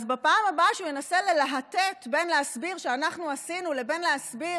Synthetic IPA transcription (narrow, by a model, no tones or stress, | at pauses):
zbepaːmabaʃeujenase̞lelaɦatet̪be̞nleasbiʁʃeanaχnuasinule̞be̞nleasbi